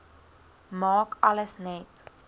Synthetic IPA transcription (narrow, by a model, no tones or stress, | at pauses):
mɑːkɐləsnɛt